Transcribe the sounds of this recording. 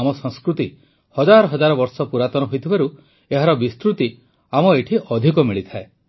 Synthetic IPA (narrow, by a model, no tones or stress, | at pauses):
mɔsɔ̃ŋskɾut̪i | hɔd͡ʒaɾɔɦɔd͡ʒaɾɔbɔɾsɔpuɾat̪ɔnɔɦojt̪ʰibaɾu | eɦaɾɔbist̪ɾut̪i | amɔeʈʰiʔɔd̪ʱikɔmiɭit̪ʰae